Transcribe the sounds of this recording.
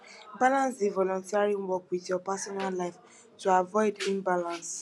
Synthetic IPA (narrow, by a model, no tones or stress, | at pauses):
balãnsivɔlɔ̃ntiaɹĩwɔkwitjɔpasɔnallaɪf | toavɔɪdĩmbalãns